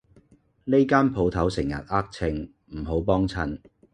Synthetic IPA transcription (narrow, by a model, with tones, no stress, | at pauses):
ne˥jkaː˥npʰo˨˧wt̪ʰɐ˨˥wsɪ˨˩ŋjɐ̰˨t̚aː˥k̚t͡sʰɪ˧ŋ | m̩˨˩ɦo˨˥wpɔː˥ŋt͡sʰɐ˧n